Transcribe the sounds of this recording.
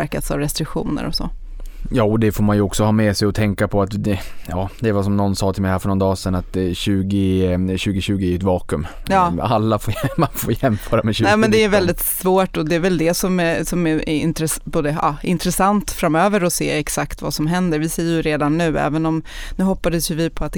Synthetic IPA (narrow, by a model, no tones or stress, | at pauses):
ɾkat̪sa̰vɾɛst̪ɾɪkɧṵːnə̰ɾɔ̰sɔ̰ | jɑːɔd̪ɛfoːɾmanjɵɔksɔhɑːmɛsɛjɔt̪ʰɛŋkapʰɔat̪d̪ɛjɑːd̪ɛvasɔmnɔnːsɑːt̪ʰɪlmɛɪjhæːɾfœɳɔnd̪ɑːsɛnat̪ɕʉ̟ːɡɪɕʉːɡɪɕʉ̟ːɡɪɛɾɛt̪vɑːkɵm | jɑːalːafoːmanfoːɾjɛmføːɾamɛɕʉnɛmɛnd̪ɛːɾvɛld̪ɪt̪svoːʈɔd̪ɛːɾvɛld̪ɛsɔmɛsɔmɛɛɪnt̪ɾɛboːd̪əɑ̰ːʔɪnt̪ɾɛsant̪fɾamøːvəɾɔsḛːɛksakt̪va̰sɔmɦɛnd̪əɾvɪsɛjːəjɵɾeːd̪anːʉ̟ːɛ̰ːvənɔmnʉ̟ːhɔpːad̪əsjɵvɪpʰɔat̪̚